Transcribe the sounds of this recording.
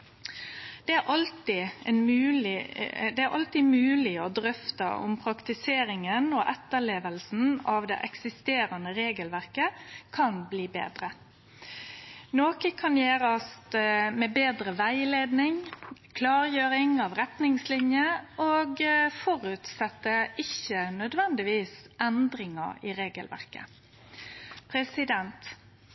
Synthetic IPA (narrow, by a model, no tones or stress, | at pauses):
d̪̥ɛæɾʔɑlt̪ɪɛnmʉːlɪd̪ɛæɾʔɑ̰lt̪ɪmʉːlɪɔd̪ɾœft̪ə̰ʔʊ̰mpʰɾɑkt̪ɪseːɾɪŋənɔʔɛt̪ːəɭeːʋəlsn̩ɑʋd̪ɛ̰ʔɛksɪst̪eːɾənəɾeːɡəlʋæʁkəkʰɑnbliːbḛːd̪ɾə | noːkəkʰɑnjeːɾəɑst̪mɛbeːd̪ʁəʋæɪleːd̪nɪŋkʰlɑːʁjøːɾɪŋɑʋʁɛt̪nɪŋslɪnjəʔoːɡfɔɾʉt̪sɛt̪ːəɪçənœd̪ʋɛnd̪ɪʋiːsʔɛnd̪ɾɪŋɑ̰iːʁeːɡəlʋæ̰ʁkə̰ | pʰɾɛsɪd̪ɛnt̪